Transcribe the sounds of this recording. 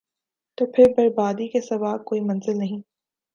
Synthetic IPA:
t̪oːpʰɪɾbɐɾbaːd̪ikesɐʋaːb̚koːimɐ̃nzɪlnɐɦĩː

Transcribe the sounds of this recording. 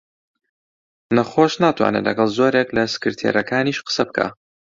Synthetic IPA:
nɐχoʃnaːt̪ʰwa̰ːnḛlɐ̰ɡɐlˠzo̞ːɾeklɐsɨ̥kɨɾt̪ʰjḛɾɐkʰaːniʃqə̥sɐbɨkʰa̰ː

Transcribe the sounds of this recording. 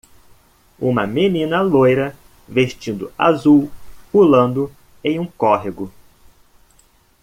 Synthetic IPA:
ũmɐmenĩnɐlojɾɐ | vest͡ʃĩnd̪ʊ̰a̰zuwpulɐ̃nd̪ʊ | ẽj̃ũkɔɦeɡʊ

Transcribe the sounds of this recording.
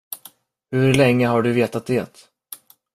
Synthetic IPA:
hɵɾlɛŋːəɦaɖɵveːt̪at̪̚d̪eːt̪

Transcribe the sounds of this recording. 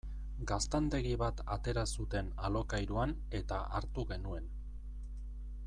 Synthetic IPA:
ɡast̪and̪e̞ɣiβat̪at̪e̞ɾasut̪e̞nalo̞kajɾuan | e̞t̪aaɾt̪uɣe̞nue̞n

